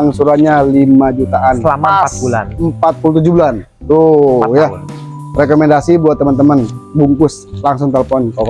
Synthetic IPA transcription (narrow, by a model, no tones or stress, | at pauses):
aŋsuɾaɲalimad͡ʒut̪aʔant̪bula̰nəmpat̪̚pulut̪ud͡ʒubulan | t̪ujarekomɛndasibuat̪ːəmənt̪əmənbuŋkʊs | laŋs̬ʊŋt̪eləfɔnkɔk